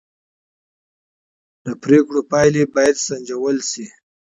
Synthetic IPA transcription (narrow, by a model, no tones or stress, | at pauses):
d̪̥əpɾekɽopɑjlebɑjad̪saɲd͡ʒawəlsi